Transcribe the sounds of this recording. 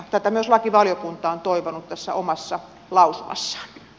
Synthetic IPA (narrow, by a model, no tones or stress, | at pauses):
t̪æt̪æmyøoslɑkiʋɑljokunt̪ɑont̪oiʋonut̪t̪æsːæ̰omɑsːɑ | lɑusumɑ̰sːɑ̥